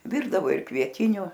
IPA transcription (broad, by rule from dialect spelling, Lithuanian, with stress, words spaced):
ˈʋʲɪrdɐʋoː ɪr kʋʲiɛˈtʲɪnʲʊ